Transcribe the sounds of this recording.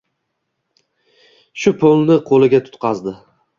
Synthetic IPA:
ʃʊpʰolˠnɪqʰolɪɡʲat̪ʰʊ̥t̪qʰɑzd̪ɪ

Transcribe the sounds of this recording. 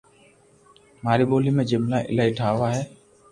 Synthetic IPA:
maːɾiːɓoːliːmẽd͡ʒɪmlaːʔɪ̰laːiʈʰaːʋaɦɛː

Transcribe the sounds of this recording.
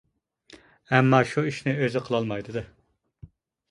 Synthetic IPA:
ɛmːɑːʃuiʃnɪøzɪqʰəlˠɑlˠmɑjd̪ɨd̪ɨ

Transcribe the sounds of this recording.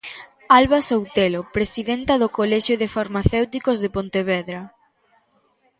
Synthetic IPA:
alβasowt̪elopɾesiðɛnt̪ɐðʊkolɛʃjoðefaɾmaθewt̪ikozðepont̪eβɛðɾɐ

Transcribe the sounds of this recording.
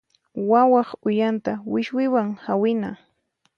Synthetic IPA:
wawɑχʊjant̪awɪʃwɪwaŋhawɪna

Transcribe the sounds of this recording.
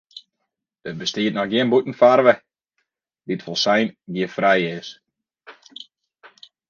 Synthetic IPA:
ət̚bəstɪːətnɔxɡjiənbutn̩farʋə | dɪtfolˠsajnɡiəfrɛjɪs

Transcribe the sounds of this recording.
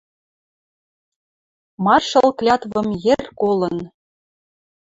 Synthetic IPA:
mɑrʃɤ̆lˠklʲɑt̪βɤ̆mjerʲkolˠɤ̆n

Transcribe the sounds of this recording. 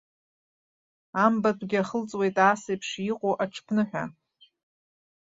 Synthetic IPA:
ambatʰʼɡʲɪaχəlt͡sʼwe̞jtʼasejpʰʂiqʷʼoʔaʈ͡ʂʰpʰnɨħʷᶣa̰

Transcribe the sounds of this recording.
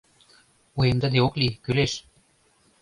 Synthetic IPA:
ujemd̪ə̆d̪eoklikyleʃ

